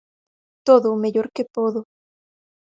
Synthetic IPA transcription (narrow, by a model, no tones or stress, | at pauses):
t̪oðomeʎoɾkepoðo